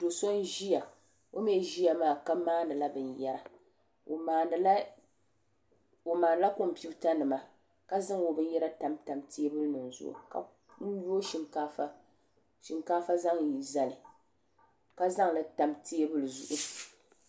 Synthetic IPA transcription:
do˨so˦n˦ʒi˦ja˨ | o˦m˦ɛ˦˨ʒi˦ja˨maː˦ka˦maː˦nɨ˨la˦bɨ˨njɛ˦ɾa˨ | aː˨n˨l | o˨maː˨n˨la˦ko˦m̩˨pi˦u˦ta˦nɨ˨ma˨ | ka˦zɨ˦ŋo˨bɨ˦n˦jɛ˦ɾa˦ta˨mta˨mtʰe˦e˦bɨ˦lɨ˦nɨ˨n̩˨zʊ̰˦ʔṵ˨ka˦ | n̩˦ju˦o˦ʃi˦ŋkaː˦fa˦ | ʃɪ˨ŋkaː˦fa˦za˦ŋ˨i˨za˨lɨ˨ | ka˦za˦ŋlɨ˨˦ta˨mte˦e˦bɨ˦lɨ˨zʊ̰˨ʔʊ˦

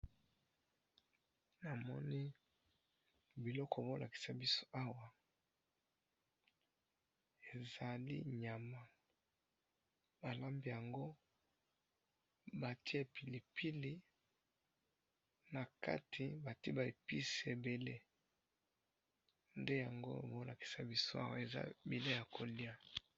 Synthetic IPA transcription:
na˨mɔ̰˦ni˦ | bi˨lɔ˦kʰɔ˨bo˦lʔa˨ki̥˨sa˨bi˦so̥˦ʔa˦wa˨ | e˨za˨lḭ˦ɲa˨ma˨ | ba˨la˦mbi˦ja˨ŋɡo˦ | ba˨ti˦e˨pi˨li˨pi˦li˦ | na˨ka̰˦tʰi˨ba˨ti˦ba˨e˨pi˦se˨be˨le˦ | nde˦ja˨ŋɡo˦˨bo˦la˨ki̥˨sa˨bi˦so˦a̰˦wa̰˨e˨za̰˦bi˨le˦ja˨kʰo˨li˦a˦˨

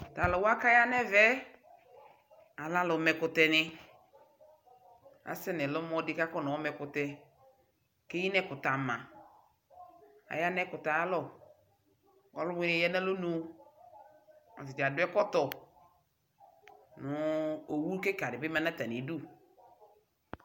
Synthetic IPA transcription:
ta˨lɔ˨wa˦ka˦ja˦nɛ˦vɛ˦ | a˨la˦lɔ˨mɛ˨kʊ˨tɛ˨nɪ˦ | a̰˨sɛ˦nɛ˨lɔ˦mɔ˦dɪ˦ka˦kɔ˦nɔ˨ɔ˦mɛ˨kʊ˨tɛ˨ | ke˦ji˦nɛ˦kʊ˨ta˨mã˨ | a̰˨ja˦nɛ˦kʊ˨ta˨a˦lɔ˦˨ | ɔ˨lʊ˦mʊ˦nɛ˨˦ja˦na˦lo˦nu˦ | ɔ̰˨tɪ˨d͡ʒa˨dʊ˦ɛ˦kɔ˦tɔ˨ | nʊ˨o˨wu˦ke˦ka˨dɪ˨bɪ˦ma˦na˦ta˨ni˨˦du˦

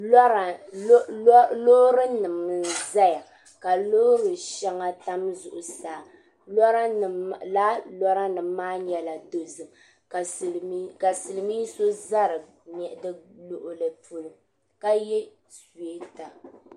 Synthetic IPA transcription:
lo˦ɾɨ˦nɨ˨mɨ˦za˦ja˨ | ka˨o˦ɾɨ˨ʃɛ˦ŋa˦ta˦mzʊ˨ʔʊ˨saː˨ | lɔ˦ɾla˦lɔ˦ɾa˦nɨ˨mːaː˦ɲɛ˨la˨to˨zɨ˨m˨˦ | ka˨sɨ˨lɨ˨mi˦so˦za˦ɾɨ˨ | mɛ˨ʔɪ˨dɨ˦lʊ˨ʔʊ˨lɨ˨pu˦lʊ˦ | ka˦jɛ˦ | swe˦ta˨

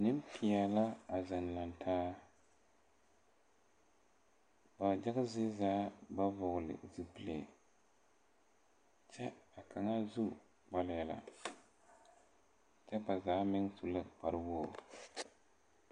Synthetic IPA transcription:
nɨ˦m˦pʰi˨a˨la˦a˨za˨nla˨ntʰaː˦ | ba˨d͡ʒa˦ɡɨ˦zɪ˦zaː˨˦ba˦vʊ˨ɣlɨ̰˨zɨ˦plḛ˨ | t͡ʃɛ˦a˨kʰa˨ŋa˦zu˦ | ba˨lɪ˦ja˨la̰˨ | t͡ʃɛ˦ba˨zaː˨˦mɪ˦ŋsu˨lɨ˦k͡pa˨ɾɨ˦woː˦˨

